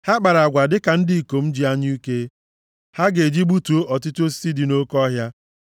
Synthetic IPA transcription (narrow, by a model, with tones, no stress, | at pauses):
ha˦k͡pa˨ɾa˨ɡʷa˨dɪ˦ka˨n̩˦di˦˨i˨ko˨m̩˦d͡ʒi˨a˦ɲi˦u˦ke˦ | ha˦ɡe˨d͡ʒi˦ɡ͡bu˦tu˨o˦ʔɔ˨tɪ˦tu˦o˦s̬i̥˦si˦di˨no˦kɔ˦ɦja˦